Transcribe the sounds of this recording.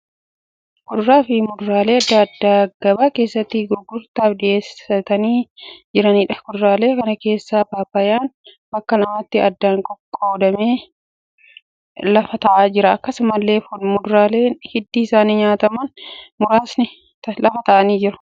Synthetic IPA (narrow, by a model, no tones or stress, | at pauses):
kʊd̪ʊɾaːfɪmʊd̪ʊɾaːle̞ːɐd̪ːaɐd̪ːaːɡ̥ɐbaːke̞ːsːɐt̪ːiɡʊɡːʊɾt̪aːfᶑɪʔeːsɐt̪ɐniːd͡ʒɪɾɐniːᶑɐ̥kʊd̪ʊɾaːle̞ːkɐnɐke̞ːsːaːpaːpɐjaːn | bɐkːɐlɐmaːt̪ːɪɐd̪ːaːŋkʼɔkʼːoːd̪ɐmeː | lɐfɐt̪ɐʔaːd͡ʒɪɾɐɐkːɐsmɐlːe̞ːfʊmʊd̪ʊɾaːleːhɪd̪ːiːɪsaːniɲaːt̪ɐmɐnmʊɾaːsnɪ | lɐfɐt̪ɐʔɐniːd͡ʒɪɾɐ̥